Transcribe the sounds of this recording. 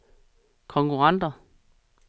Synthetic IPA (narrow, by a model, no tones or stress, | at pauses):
kʰɒ̽ŋkʰuʁɑn̰d̥ɐ